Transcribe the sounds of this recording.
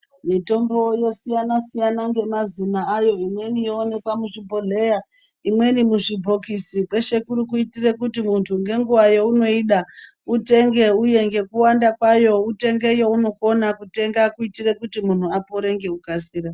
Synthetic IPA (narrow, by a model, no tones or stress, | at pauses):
mito̞mbo̞jo̞sijanasijanaŋɡe̞mazinaːjo̞imwe̞nijoone̞kwamuʐibʱo̞ɮeja | imwe̞nimuʐibʱo̞kisikwe̞ʃe̞kuɾuk̬uitire̞kutimuntʰuŋɡe̞ŋɡuʋajouno̞iɗa | ute̞ŋɡe̞uje̞ŋɡe̞kuwandakwajo̞ute̞ŋɡe̞jo̞uno̞ko̞nakute̞ŋɡakuitirekutimun̤uapoɾe̞ŋɡe̞ukasiːɾa